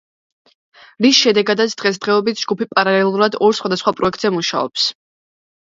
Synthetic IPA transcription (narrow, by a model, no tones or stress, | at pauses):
ɾisʃɛd̪ɛɡad̪at̪sʰd̪ʁɛs̬d̪ʁɛɔbit̪̚ʰd͡ʒɡupʰipʼaɾalɛlˠuɾad̪ɔɾsχwad̪asχwapʼɾɔɛk̚ʰt̪zɛmuʃa̰ɔps